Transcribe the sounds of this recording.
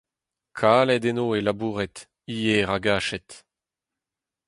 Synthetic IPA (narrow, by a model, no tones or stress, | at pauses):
kʰaːlɛdenoːelabuːʁɛt | iːeʁaɡaːʃɛt